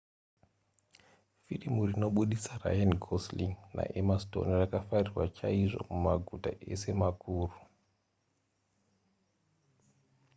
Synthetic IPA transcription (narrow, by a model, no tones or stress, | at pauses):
firimurino̞ɓuɗisara̰janɡʱosliŋna̰ʔemasto̞̰nrakafarirwat͡ʃaiʐo̞̰mumaɡʱuta̰ʔe̞̰se̞makʰuːru